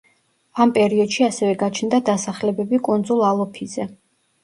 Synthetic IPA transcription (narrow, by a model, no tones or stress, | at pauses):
ampʼɛɾiɔd̪ʃiasɛvɛɡat͡ʃʰnd̪ad̪asaχlɛbɛbikʼund̪zulˠalˠɔpʰizɛ